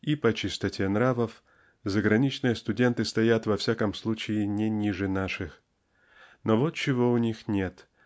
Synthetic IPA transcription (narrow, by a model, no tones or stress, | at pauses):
ipət͡ɕɪst̪ɐtʲenɾavəf | zəɡɾɐnʲit͡ɕnɨjəst̪ʊdʲe̞nt̪ɨst̪ɐjat̪vɐfsʲakəmslˠut͡ɕɪɪnʲɪnʲiʐɨnaʂɨx | novot̪t͡ɕɪvoʊnʲixnʲe̞t̪